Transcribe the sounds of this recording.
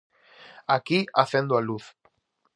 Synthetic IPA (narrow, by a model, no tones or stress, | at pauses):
akiaθẽnd̪oaluθ